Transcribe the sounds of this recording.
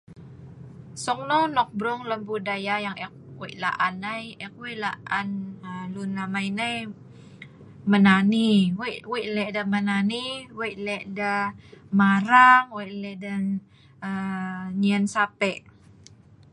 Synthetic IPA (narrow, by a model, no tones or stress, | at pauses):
sɔk̚nɔnɔk̚bɾuŋləmbudajajaŋɛk̚weʔla̰ʔanajɛk̚wɛʔlaʔanəlunamajnaj | mənaniwʔwɛʔlɛʔdəmənaniwɛʔlɛʔdəmaɾaŋwɛʔlɛʔdə | əɲənsapɛʔ